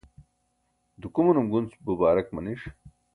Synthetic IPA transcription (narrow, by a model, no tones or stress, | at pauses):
d̪ukumunumɡunt͡sbubaːɾɐkmɐniʂ